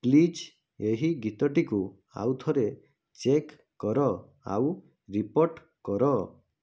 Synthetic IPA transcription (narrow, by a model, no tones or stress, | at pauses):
plid͡ʒ | eɦiɡit̪ɔʈiku | a̰wt̪ʰɔɾe | t͡ʃekː | ɔɾɔ | a̰w | ɾipoɾʈ | kɔɾɔ